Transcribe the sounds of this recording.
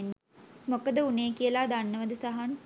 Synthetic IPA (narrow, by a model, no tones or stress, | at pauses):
nː | mokəd̪əuneːkijəlaːd̪anːəʋəd̪əsaɦan